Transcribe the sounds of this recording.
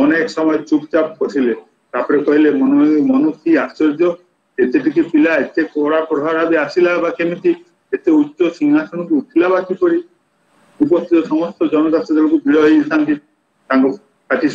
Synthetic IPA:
ɔneksɔmɔet͡ʃukt͡ʃapkoʈʰile | t̪apɔɾekɔɦilemɔnmɔnukʰiast͡ʃɔɾd͡ʒɔ | et̪eʈik̪ipilaet̪ekɔɽapɾɔɦaɾabiasilabakemit̪i | et̪eutːʃosiŋɦasʰɔñɔkuuʈʰilabakipɔɾi | upɔst̪ʰit̪ɔsɔmɔst̪ɔd͡ʒɔnɔk̪ast̪ɾɔd̪elokubiɾɔɦit̪ʰank̪i | t̪aŋko | kaʈi

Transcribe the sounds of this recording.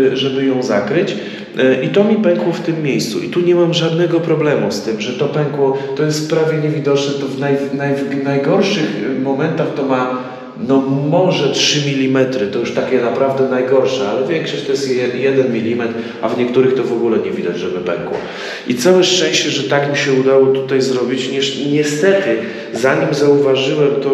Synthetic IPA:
ʐɛbɘjɔ̃w̃zakɾɘt͡ɕ | ʔit̪ɔmʲipɛŋkwɔft̪ɘmːʲejst̪sṵʔḭt̪uɲɛmamʐad̪nɛɡɔpɾɔblɛmust̪ɘmʐɛt̪ɔpɛŋkwɔt̪ɔjɛst̪pɾavʲjɛɲɛvʲid̪ɔt͡ʂnɛt̪ɔvnajnajnajɡɔɾʂɘxmɔmɛnt̪axt̪ɔma | nɔmɔʐɛtʂɘmʲilʲimɛt̪ɾɘt̪ɔjuʂt̪akʲɛnapɾavd̪ɛnajɡɔɾʂɛalɛvʲjɛŋkʂɔɕt̪ɔjɛst̪jɛd̪ɛnmʲilʲimɛt̪ | a̰vɲɛkt̪uɾɘxt̪ɔvɔɡulɛɲɛvʲid̪ad͡ʑʐɛbɘpɛ̰ŋkwɔ̰ | ʔit̪sawɛʂt͡ʂɛ̃ɕt͡ɕɛʐɛt̪akmʲiɕɛud̪awɔt̪ut̪ajzɾɔbʲit͡ɕɲiʂɲɛst̪ɛt̪ɘ | zaɲimzauvaʐɘwɛmt̪ɔ

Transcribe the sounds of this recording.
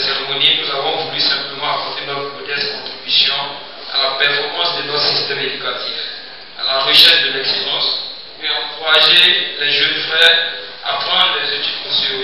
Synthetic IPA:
aseʁemoninuzavɔ̃vulysɛ̃pləmɑ̃apɔʁt̪enɔt̪χəmodɛskɔ̃t̪χibysjɔ̃ | a̰lapɛʁfɔʁmɑ̃sd̪ənɔt̪sist̪ɛmed̪ykat̪ʰiv | a̰laʁəʃɛʁʃd̪əlɛkseʒɑ̃s | ɛɑ̃kuʁaʒelɛʒønfχɛʁ | a̰pχɑ̃d̪ʁlɛzet̪ytsõseo

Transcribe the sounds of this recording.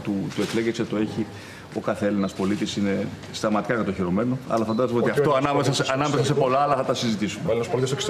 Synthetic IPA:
t̪ut̪uekleɣekset̪o̞e̞çi | o̞kɐθeelenɐspo̞lit̪isine̞ | st̪ɐmɐt̪i̥kɐkɐt̪oçiɾo̞me̞noɐ̰lɐfɐnd̪ɐsumot̪iɐft̪oɐnɐmesɐsɐnɐmesɐse̞po̞lɐɐlɐθɐt̪ɐsizit̪isumeelnɐspolit̪isoks

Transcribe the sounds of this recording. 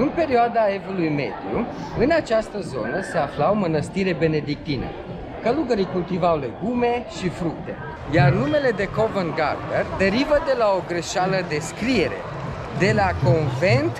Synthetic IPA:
ɨnpe̞ɾioad̪aevulujme̞̰d̪ju | ɨnat͡ʃast̪əzo̞̰nəseaflawmənəst̪iɾe̞be̞ne̞d̪ik̚t̪inə̰ | kəluɡəɾikult̪ivawle̞ɡume̞ʃifɾuk̚t̪e̞ | jarnume̞le̞d̪e̞kovənɡa̰rd̪erd̪e̞ɾivəd̪e̞lao̞ɡɾeʃaləd̪e̞skɾie̞ɾe̞̰ | d̪e̞lako̞nve̞nt̪

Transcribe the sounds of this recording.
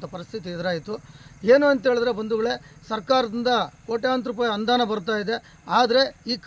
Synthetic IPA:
t̪ɐpɐɾist̪ʰit̪iɛd̪ɐɾaːjit̪ue̞ːnuɐnt̪ɦeːɭid̪ɐɾe̞bɐnd̪uɡɐɭe̞sɐɾkaːɾɐd̪ind̪ɐkoːʈejaːnt̪ɾupaːjɐnd̪aːnɐbɐɾut̪aːjid̪e̞ | aːd̪ɐɾe̞iːk

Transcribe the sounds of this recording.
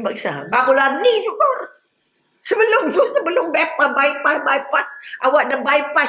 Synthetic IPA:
bakisa̰bakulanid͡ʒukɔr | səbəlʊmd͡ʒusəbəlʊmbɛpabajpabajpasʔawaʔ̚dəbajpa

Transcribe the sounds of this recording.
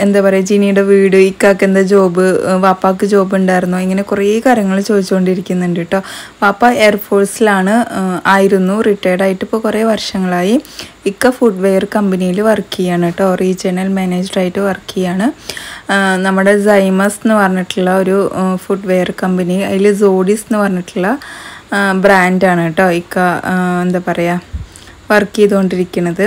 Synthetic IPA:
e̞nd̪apɐrɐjd͡ʑinijuɽeʋiːɽɨikːaːkːend̪ed͡ʑo̞ːbɨʋaːpːaːkːɨd͡ʑo̞ːbuɳɖaːjɾunːuiŋːɐne̞kurikaːɾjɐŋːɐɭt͡ɕo̞ːd̪it͡ɕːɨko̞ɳɖiɾikʲːunːuɳɖiʈːo̞ːʋaːpːae̞ːrfo̞ːrsilaːɳɨaːjiɾunːuriʈːeːɖaːjiʈːɨpːo̞ːkureːʋɐrʂɐŋːɐɭaːji | ikːɐfuɖʋejɐrkɐmbɐnijilʋɐrkːijaːɳiʈːorid͡ʑenɐlmeneːd͡ʑɐraːjiʈːɨʋɐrkːijjaːɳɨ | nɐmːuɽe̞zɐjmɐsinːɨpɐrɐɲːiʈːuɭːɐo̞ɾufuɖʋejɐrkɐmbɐniɐ̰ðilzoːɽisenːɨpɐrɐɲːiʈːuɭːɐ | braːndaːɳʈːoːikːaend̪aːpɐrɐja | ʋɐrkːijɐðuko̞ɳɖiɾikʲːunːɐðɨ

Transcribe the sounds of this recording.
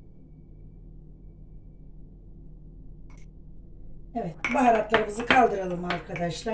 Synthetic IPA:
evɛt̪buɦaɾat̪lˠaɾɯmɯzɯkʰalˠd̪ɯɾalˠɯmaɾkʰad̪aʃlˠa

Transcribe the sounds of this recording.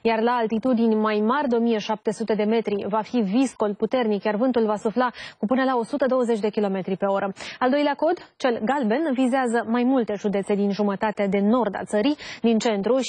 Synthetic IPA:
jarlaːlt̪it̪ud̪inʲmajmarʲd̪eo̞mijeʃap̚t̪e̞sut̪e̞d̪e̞me̞t̪ɾivafivisko̞lput̪e̞rnikjarvɨnt̪ulvasuflakupɨnəlao̞sut̪əd̪o̞wəze̞t͡ʃʲd̪e̞kʲilo̞me̞t̪ɾipe̞o̞ɾəald̪o̞jleako̞d̪t͡ʃe̞lɡalbe̞nvizeazəmajmult̪e̞ʒud̪e̞t̪se̞d̪inʒumət̪at̪ead̪e̞no̞rd̪a̰t̪səɾid̪int͡ʃe̞nt̪ɾu

